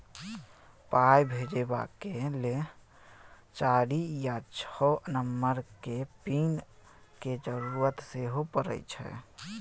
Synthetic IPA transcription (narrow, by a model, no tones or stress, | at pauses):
pajbʱed͡ʒeba̰kele | t͡ʃaɾijat͡ʃʰɔnəmːəɾkepin | ked͡ʒəɾuɾət̪seɦopəɾə̰jt͡ʃʰɛ̰